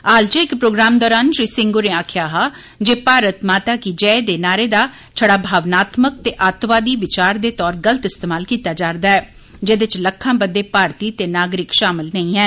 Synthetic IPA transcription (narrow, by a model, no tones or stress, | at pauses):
aːlt͡ʃəɪkpɾoːɡɾaːmd̪ɔːɾaːnʃɾiːsɪ̃ŋɡoɾẽːaːkʰjaːɦaː | d͡ʒeːpaːɾət̪maːt̪aːkid͡ʒɛːed̪eːnaːɾeːd̪aː | t͡ʃʰəɽaːbʱaːʋnaːt̪mək̚t̪eːʔaːt̪ʋaːd̪iːʋɪt͡ʃaːɾd̪eːt̪ɔːɾɡələt̪ɪst̪eːmaːlkiːt̪aːd͡ʒaːɾd̪aːɛː | d͡ʒeːd̪ɪt͡ʃləkʰːãːbəd̪ːeːpaːɾt̪iːt̪eːnaːɡɾɪkʃaːmɪlnəĩːɦɛː